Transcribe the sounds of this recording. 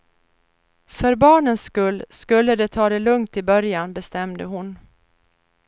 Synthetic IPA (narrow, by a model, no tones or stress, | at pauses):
fœɾbɑːɳənskɵlːskɵlːəd̪ɛt̪ʰɑːd̪ɛlɵŋt̪ɪbœɾjanbɛst̪ɛmd̪əɦʊn